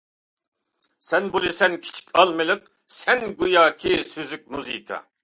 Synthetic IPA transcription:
sɛnbulˠisɛnkʲʰi̥t͡ʃʰi̥kʲʰɑlˠmɨlˠɨq̚ | sɛnɡujɑːkʲʰisyzyk̚ʲmuzḭkʰɑ̰

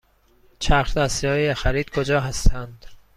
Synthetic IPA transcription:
t͡ʃʰæxɾd̪æsjɒːjexæɾiːd̪̥̚kʰod͡ʒɒːɦæst̪ʰænd̪̥

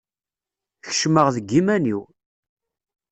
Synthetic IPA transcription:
çə̥ʃməʁðəɡːimæniw

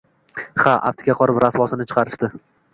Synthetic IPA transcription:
haʔa̰pt̪ʰɪ̥ɡʲaqʰɒɾɪpɾasvɒsɪnɪt͡ʃʰɨ̥qʰɑɾɪʃt̪ɪ

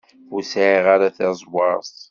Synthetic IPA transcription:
usaʕiʁaɾaθæzˤwɑɾˤsˤ

